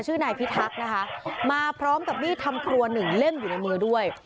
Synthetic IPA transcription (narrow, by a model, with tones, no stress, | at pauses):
t͡ɕʰɯː˥˩naː˧jp̪ʰi˦˥t̪̚ʰːa˦˥k̚na˦˥kʰa˦˥ʔmaː˧pʰɾɔː˦˥mka˨˩p̚miː˥˩t̪ʰa˧mkʰɾu˧ɐnɯ˨˩ŋle˥˩mjuː˨˩na˧jmɯː˧du˥˩əj